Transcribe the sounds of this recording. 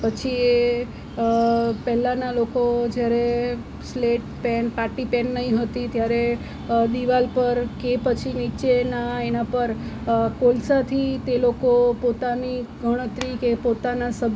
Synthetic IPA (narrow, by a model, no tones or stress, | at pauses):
pət͡ʃʰie | pɛɦlãnalokod͡ʒjaɾe | sleʈpɛnpaʈipɛnːəɦĩɦət̪it̪jaɾe | d̪iʋalpəɾkepət͡ʃʰinit͡ʃenaenãpəɾkolsat̪ʰit̪elokopot̪aniɡʱəɽ̃ət̪ɾikepot̪anasəb